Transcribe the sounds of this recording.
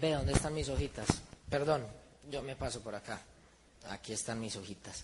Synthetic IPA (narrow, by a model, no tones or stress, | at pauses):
beðo̞nd̪est̪anmis̬o̞xit̪aspe̞ɾd̪o̞n | d͡ʒo̞me̞paso̞poɾaka | a̰kie̞st̪anmiso̞xit̪as